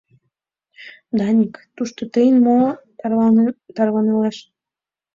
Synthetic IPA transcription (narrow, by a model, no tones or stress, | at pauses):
d̪ɑnʲikt̪uʃt̪ot̪əjənmo | t̪ɑrβɑneleʃ